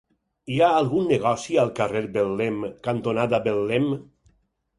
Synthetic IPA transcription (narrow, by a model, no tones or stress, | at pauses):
iaːlˠɣunːeɣɔsialˠkareɾbelːemkant̪onad̪abelːem